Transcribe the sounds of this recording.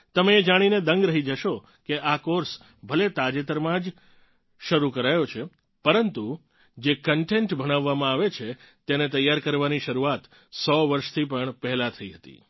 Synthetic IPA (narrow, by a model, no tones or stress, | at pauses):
t̪əmeːd͡ʒaɽ̃ined̪əŋɡɾəɦid͡ʒəʃo | keʔakoɾs | bʱəlet̪ad͡ʒet̪əɾmãd͡ʒ | ʃəɾukəɾajot͡ʃʰe | pəɾənt̪u | d͡ʒekəɳʈeɳʈbʱəɽ̃aʋːamãaʋet͡ʃʰe | t̪enet̪əjːaɾkəɾʋaniʃəɾuat̪ | sɔʋəɾʃt̪ʰipəɳpɛɦɛlãt̪ʰəiɦət̪ḭ